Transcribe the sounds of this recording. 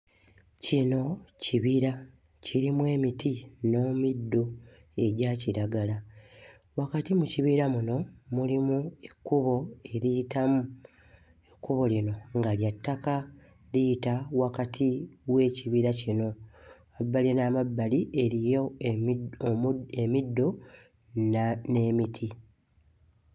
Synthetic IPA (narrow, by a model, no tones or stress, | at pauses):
cino̞ciβiɾa | ciɾimwe̞ːmitino̞ːmidːo | e̞ɟaːciɾaɡala | wakatimuciβiɾamuno̞mulimuekːuβo̞e̞ɾijitamu | ekːuβo̞lino̞ŋɡaljatːaka | lijitawakatʰiwe̞ːciβiːɾacino̞ | abːalinaːmabːaliʔeɾijo | emidːo̞ | nne̞ːmitʰi